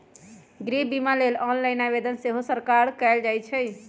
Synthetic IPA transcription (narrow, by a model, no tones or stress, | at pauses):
ɡɾibimalelɔnlaɪnabed̪ənseɦosəɾkaɾkɛɪld͡ʒajt͡ʃʰə